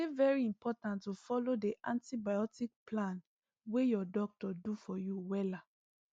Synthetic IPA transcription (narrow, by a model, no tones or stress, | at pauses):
evɛɹiĩmpɔtãntːufɔlodeʔãntibajɔtik̚plãn | wejɔdɔk̚tɔdufɔjuwɛla